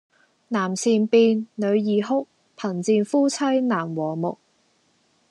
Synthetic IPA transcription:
naː˨˩msiː˨˩npiː˧nnɵ˨˧ɥjiː˨˩ɦʊ˥k̚ | pʰɐ˨˩nt͡siː˧nfuː˥t͡sʰɐ˥jnaː˨˩mwɔː˨˩mʊ˨k̚

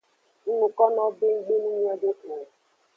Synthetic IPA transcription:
n̩˦nu˨kɔ˦nɔ˦be˦ŋ̩˦ɡ͡be˦nu˦ɲ˦ɔ˦do˦ʔu˨

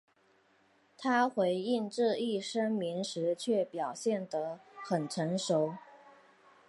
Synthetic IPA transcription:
t̪ʰa˥xwe˧˥ɪi˥˧nʈ͡ʂɻ̩˥˧i˥˩ʂə˥ŋmi˧˥nʂɻ̩˧˥t͡ɕʰɥɛ˥˩pjɑ˨˩ʊɕjɛ˥˩nd̪ə˦xə˨˩nʈ͡ʂʰə˧˥nʂo˧˥ʊ

